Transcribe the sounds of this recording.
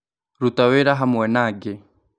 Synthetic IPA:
ɾutawɛɾaɦamwɛnaɡɛ

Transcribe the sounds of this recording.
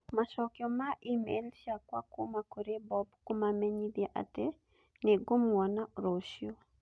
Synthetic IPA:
maʃɔkjɔmaʔimḛlʃakwa̰komakoɾebɔbkomamɛɲid̪eʔa̰tɛ | nɛɡomwɔnaɾoʃjo

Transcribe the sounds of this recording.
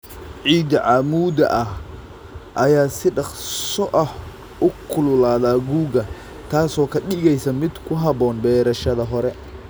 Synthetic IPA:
ʕiːd̪ɐʕɑmuːd̪ɐ̰ʔɐh | ʔɐjaːsɪɖɑχsɔʔɐh | ʔʊkʰʊlʊlaːðaːɡuːɡɐ | t̪ʰaːsɔːkʰɐɗɪɣɛjsɐmɪd̪kʰʊɦɐβɔːnbɛːɾɐʃɐðɐɦɔɾɛ

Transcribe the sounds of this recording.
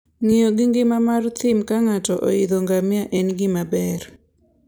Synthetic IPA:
ŋioɡɪŋɡɪmamart̪ɪmkaŋatɔʔo̰id̪oŋɡamjaʔɛnɡɪmabɛr

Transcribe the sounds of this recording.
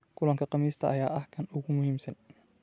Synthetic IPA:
kʰʊlɐŋkʰɐqɑmiːst̪ʰɐʔɐjaːʔɐhkʰɐnʊɣʊmʊhiːmsɐn

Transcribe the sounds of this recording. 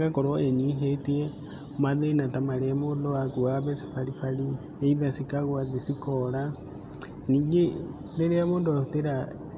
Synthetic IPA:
ɡakɔɾɔeɲiɦetiɛ | maðenatamaɾeamoːdoakuaβɛsi̥faɾifaɾi | eiðasikaɣwaðesikɔɾa | niːŋɡe | ɾeɾeamoːndoahuteɾa

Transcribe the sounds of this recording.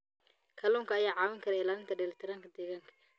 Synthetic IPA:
kʰɐluːŋkʰɐːjaːʕɑːwɐŋkʰɐɾɛɪlaːlɪnt̪ʰɐɖɛlɐt̪ʰɛɾaːŋkʰɐd̪ɛːɣaːŋkʰɐ̥

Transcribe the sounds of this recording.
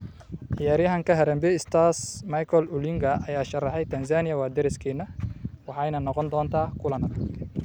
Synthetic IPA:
ʔɪjaːɾjɐɦɐŋkʰɐɦɛɾɛmbɛɪst̪ʰasmɐjkʰɔlʊlɪŋɡɐʔɐjaːʃɐrɑħɛjt̪ʰɐns̬aːnɪjɐwaːd̪ɛɾɪskʰiːnːɐwɑħɑjnɐnɔqɔnd̪ɔːnt̪ʰaːkʰʊlɐnɐ

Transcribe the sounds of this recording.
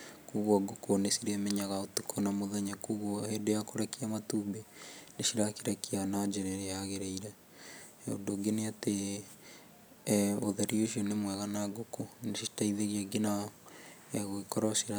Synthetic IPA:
kuɣaɡokonesiɾemɛɲaɣaotukʰonamoðeɲakuɣohedejakoɾekiamatubeneʃiɾakiɾɛkianad͡ʒeɾeɾejaɣeɾeiɾɛ | o̰doɡeneate | oðeɾioʃionemwɛɣanaɡokoneʃitaiðeɣiaɡina | eɣoikɔɾɔsiɾa

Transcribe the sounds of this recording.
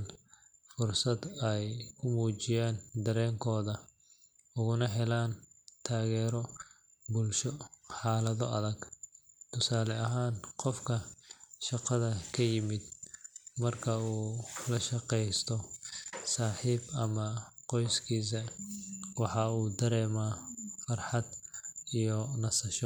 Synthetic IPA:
n | fʊrsɐd̪ɛjkʰʊmuːt͡ʃɪjaːnd̪ɐɾɛːŋkʰɔːðɐ | ʊɣʊnɐɦɛlaːnt̪ʰaːɣɛːɾɔ | bʊlʃɔħɑːlɐðɔ̰ʔɐðɐɡt̪ʰʊsaːlɛɐɦaːnqɔfkʰɐʃɑqɑðɐkʰɐjɪmɪd̪̚mɐrkʰɐuːlɐʃɑqɛjst̪ʰɔsaːħiːbɐmɐqɔjskʰiːs̬ɐ | wɑħɑuːd̪ɐɾɛːmaːfɐrħɑd̪ijɔnɐsɐʃɔ

